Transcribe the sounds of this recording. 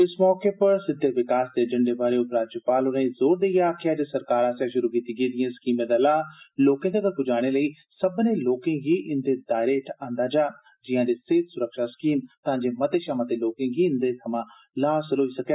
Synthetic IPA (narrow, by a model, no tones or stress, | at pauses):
ɪsmɔːkeːpəɾsɪd̪ʱːeːʋɪkaːsd̪eːəd͡ʒəɳɖeːbaːɾeːʊpɾaːd͡ʒəpaːlʊnẽːizoːɾd̪eiaːkʰɪjaːd͡ʒeːsəɾkaːɾaːsjaːʃʊɾuːkiːt̪iːɡeːd̪ɪjãːsə̥kiːmẽːd̪aːlaːloːkẽːd̪eːkəɾpʊd͡ʒaːɽ̃eːləiː | səbnẽːloːkẽːɡiːʔɪnd̪eːdaːɪɾeʈãːnd̪aːd͡ʒaː | d͡ʒɪjãːd̪eːseːt̪sʊɾəkʃaːsə̥kiːmt̪ãːɲd͡ʒeːmət̪eːʃaːmãːt̪eːloːkẽːɡiːɪ̃nd̪eːt̪ʰəmãː | laːsəlɦoːiːsəkeː